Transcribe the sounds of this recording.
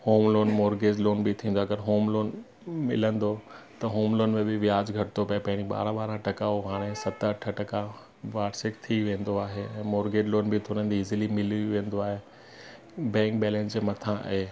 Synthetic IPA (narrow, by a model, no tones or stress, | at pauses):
hoːmloːnmoːɾɡeːd͡ʑloːnbɪt̪ʰĩːnd̪aɐɡəɾɦoːmloːn | mɪ̰lə̃nd̪ot̪ɐɦoːmloːnmẽbɪʋɪjaːd͡ʑɡʱɐʈɪt̪ʰopɐepɐ̃ɦɪ̃ɲd͡ʑiɓa̰ːɾãɓaːɾãʈɐkaoɦaːɽ̃esɐt̪ɐʈʰəʈɐka | ʋaːɾsɪkt̪ʰiʋẽːn̆d̪oaːɦeɛ̃ːmoːɾɡeːd͡ʑloːnbɪt̪ʰoːnə̃ːn̆d̪iɪzɪlimɪliʋẽːn̆d̪oaːɦeː | bɛ̃ːŋk̚bɛːlɛ̃ːnd͡ʑemɐt̪ʰãʔɦeː